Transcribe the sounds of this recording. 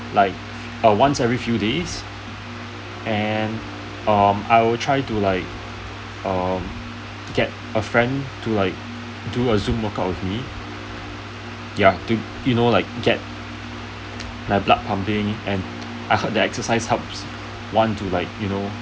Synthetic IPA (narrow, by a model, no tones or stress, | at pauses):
laɪk̚ | ʌwãnsɛvɹifjudes | ʔɛ̃n | ʌ̃ma̰ɪwɪltʰɹaɪtulaɪk̚ | ʌm | ɡ̥ɛt̚ | əfɹɛ̃ntulaɪk̚ | duəzũmwəkəp̚wɪfmi | jatu | junolaɪk̚ɡɛt̚ | maɪblak̚pʰãmpɪ̃ŋɛ̃n | ʔaɪhɔt̚dəɛksəsaɪshɛlps | wɔ̃ntulaɪk̚juno